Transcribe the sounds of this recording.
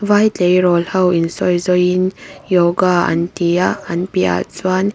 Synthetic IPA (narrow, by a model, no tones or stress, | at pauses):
vaːjtejɾɔlhɐwinsɔjzɔjinjɔɡaɐ̰nt̪iaɐnpia̰t͡swan